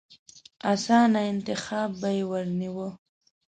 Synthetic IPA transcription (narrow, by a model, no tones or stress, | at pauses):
asɑnaɪnt̪ɪxɑbːajewəɾniwə